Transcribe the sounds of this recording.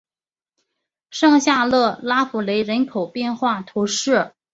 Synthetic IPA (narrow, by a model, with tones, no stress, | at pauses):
ʂɑ˥˧ŋɕja˥˧lɤ˥˩la˥fu˨˩le˧˥ɪɻə˧˥nkʰo˨˩ʊpjɛ˥˧nxwa˥˩t̪ʰo˧˥ʊʂɻ̩˥˩